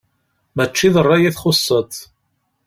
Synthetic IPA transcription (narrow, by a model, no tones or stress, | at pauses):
mæt͡ʃːiðərˤːɑjiθχʊsˤːət̪